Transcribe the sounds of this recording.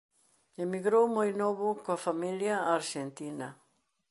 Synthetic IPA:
emiɡɾowmojnoβʊkoafamiljaaɾʒent̪inɐ

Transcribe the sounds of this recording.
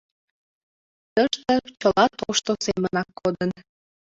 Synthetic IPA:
t̪əʃt̪ə̆t͡ɕəlɑt̪oʃt̪osemənɑkːod̪ən

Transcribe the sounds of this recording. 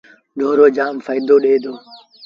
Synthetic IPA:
ɖʱoːɾoːd͡ʒaːmfaɪd̪oːɗeːd̪oː

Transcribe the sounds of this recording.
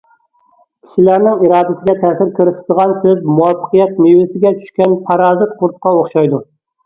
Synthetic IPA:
kʲʰi̥ʃɪlæɾnɪŋiɾɑːd̪ɪsɪɡʲɛt̪ʰæsɪɾkʲʰɪɾɪsɪ̥d̪ɨʁɑnt̪ʰɪp̚muwɑfːɨ̥qɨjɛt̪̚mewɪsɪɡʲɛt͡ʃʰy̥ʃkʲænpʰɑɾɑːzɨt̪qʰʊɾt̪̚qɑoχʃɑjd̪ʊ

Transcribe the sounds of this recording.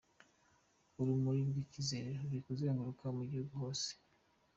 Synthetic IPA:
uɾumuɾibɡicizeɾoɾikuziaŋɡoɾukʰamuɟihuɡuho̞ːse̥

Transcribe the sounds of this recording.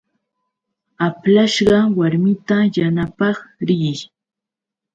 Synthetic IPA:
aplaʃɢɑwaɾmɪt̪ajanapɑχɾɪj

